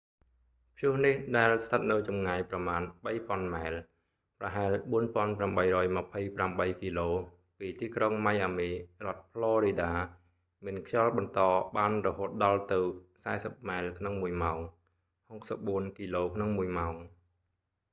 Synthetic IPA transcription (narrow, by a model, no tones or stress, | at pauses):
pʰjʊəhnihɗaɛlst̪ʰət̪̚nɨwt͡ɕɑmŋajprɑmaːnɓəjpŏənmaɛl | prɑɦaɛlɓuənpŏənpramɓəjrɔːjməpʰəjpramɓəjkiːloː | piːt̪iːkroŋmajʔaːmiːrŏət̪̚pʰlɔːɾiːɗaː | mɨənkʰjɑlɓɑnt̪ɑːɓaːnrɔɦoːt̪̚ɗɑlt̪ɨwsaɛsəp̚maɛlkʰnoŋmuəjmaɔŋ | hok̚səp̚ɓuənkiːloːkʰnɔŋmuəjmaɔŋ